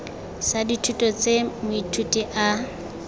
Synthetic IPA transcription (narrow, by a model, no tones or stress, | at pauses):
saditʰutʼɔt͡sʼemʊitʰutʼiʔa